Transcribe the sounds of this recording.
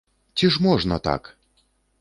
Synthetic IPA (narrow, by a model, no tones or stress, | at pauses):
t͡sʲiʂmɔʐnɐt̪a̰k